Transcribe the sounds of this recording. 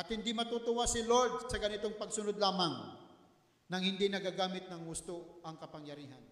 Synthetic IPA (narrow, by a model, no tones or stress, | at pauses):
ʔɐt̪hɪnd̪imɐt̪ut̪ʊwasɪloɹd̪̚sɐɡɐnɪt̪oŋpɐɡsʊnod̪laːmaŋ | nɐŋhɪnd̪inɐɡaɡaːmɪt̪̚nɐŋhʊst̪oɐŋkɐpɐŋjɐɾiːɦan